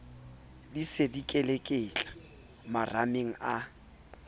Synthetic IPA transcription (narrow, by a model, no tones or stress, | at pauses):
disedikʼɛlekʼɪːt͡ɬʼḁ | marameŋ̩a